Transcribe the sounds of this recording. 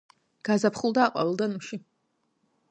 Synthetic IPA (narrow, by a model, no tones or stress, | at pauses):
ɡ̥azapʰχulˠd̪aːqʼɔ̰vɛlˠd̪anuʃi